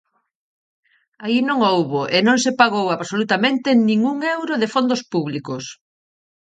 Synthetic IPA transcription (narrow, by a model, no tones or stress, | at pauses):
ainõŋowβoʔenõŋsepaɣowaβsolut̪amẽnt̪ɪnĩŋuŋewɾoðɪfond̪ospuβlikʊs